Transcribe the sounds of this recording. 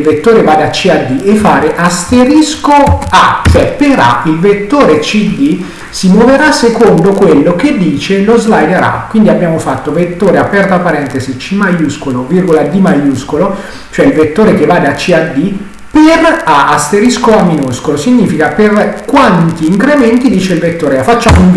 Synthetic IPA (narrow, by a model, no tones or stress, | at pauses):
lvet̪ːoːɾevad̪at͡ʃːiad̪ːiʔefːaːɾeʔast̪eɾiskoat͡ʃoɛpeɾa̰ilvet̪ːoːɾet͡ʃid̪i | simwoveɾasekond̪okwelːoked̪ːiːt͡ʃelozlajd̪eɾa̰kwind̪iabːjaːmofat̪ːovet̪ːoːɾeapɛrt̪oapːaɾɛnt̪ezit͡ʃimajuskolovirɡolad̪imajuskolo | t͡ʃoɛilvet̪ːoːɾek̟evaːd̪at͡ʃːiad̪i | peraast̪eɾiskoamːinuskolosiɲːiːfikaperkwant̪iːŋkɾemɛnt̪id̪iːt͡ʃeilvet̪ːoːɾeafːat͡ʃːaːmoiɱ